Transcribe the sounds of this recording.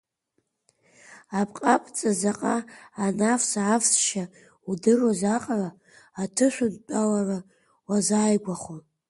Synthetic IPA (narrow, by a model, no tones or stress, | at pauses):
apʰʼqʼapʼt͡sʼazaqʼaːnafsaːfsʃa | udɨrozaqʼaraː | tʰɨʃʷᶣʊnt͡pʼalara | wazaːjɡʷaχo